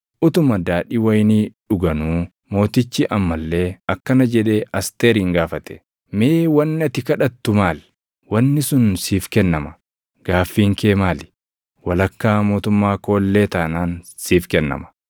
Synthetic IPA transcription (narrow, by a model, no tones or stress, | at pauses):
ʔʊt̪ʊmɐd̪aːᶑiːwɐjniːᶑʊɡɐnuː | mo̞ːt̪ɪt͡ʃːɪʔɐmːɐlːe̞ːɐkːɐnɐd͡ʒɛᶑe̞ːʔɐst̪eːɾiːŋɡaːfɐt̪ɛ̥ | meːwɐnːɪɐt̪ɪkɐᶑɐt̪ːʊmaːl | wɐnːɪsʊnsiːfkɛnːɐmɐ | ɡ̥aːfːiːŋke̞ːmaːlɪ̥ | wɐlɐkːaːmo̞ːt̪ʊmːaːko̞ːlːe̞ːt̪aːnaːnsiːfkɛnːɐ̰mɐ̥